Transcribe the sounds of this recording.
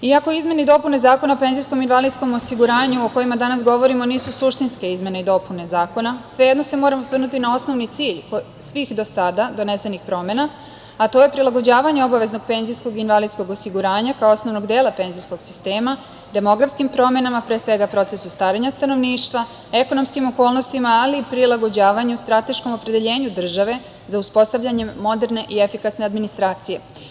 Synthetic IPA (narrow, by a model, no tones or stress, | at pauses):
iako̞izme̞nid̪o̞pune̞zaːko̞naope̞nzijsko̞minʋalid̪sko̞mosiɡuɾaːɲuoko̞jimad̪anasɡo̞ʋo̞ɾimo̞niːsusuʃt̪inske̞izme̞neid̪o̞pune̞zaːko̞nasʋe̞jed̪no̞se̞moɾamosʋr̩nut̪inao̞sno̞ʋnit̪siːʎk | sʋixd̪o̞sad̪ad̪o̞ne̞se̞nixpɾo̞me̞na | at̪o̞je̞pɾilˠaɡo̞d͡ʑaːʋaɲeo̞baʋe̞zno̞ɡ̚pe̞nzisko̞ɡinʋalid̪sko̞ɡosiɡuɾaːɲakaoosno̞ʋno̞ɡd̪e̞ːlˠape̞nzijsko̞ɡ̥si̥st̪e̞ːma | d̪e̞mo̞ɡɾafskimpɾo̞me̞namapɾeːsʋe̞ɡapɾo̞t̪sesust̪aːɾeɲast̪ano̞ʋniːʃt̪ʋa | e̞ko̞no̞mskimo̞ko̞ːlno̞st̪imaːlipɾilaɡo̞d͡ʑaːʋaɲeust̪ɾat̪e̞ʃko̞mo̞pɾe̞d̪e̞ʎe̞ːɲud̪r̩ʒaʋe̞ | zauspo̞st̪aʋʎʲaɲe̞mːo̞d̪e̞ɾne̞ʔie̞fikasne̞ad̪minist̪ɾaːt̪sije̞